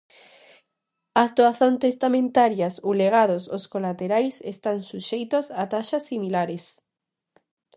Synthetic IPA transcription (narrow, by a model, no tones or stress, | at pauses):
ast̪oaθont̪est̪amẽnt̪aɾjasowleɣ̞að̞ososkolat̪eɾajsest̪ansuʃejt̪osat̪aʃasːimilaɾes